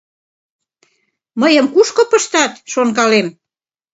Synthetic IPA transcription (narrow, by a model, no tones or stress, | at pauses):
məjəmkuʃkopəʃt̪ɑt̪ʃonkɑlem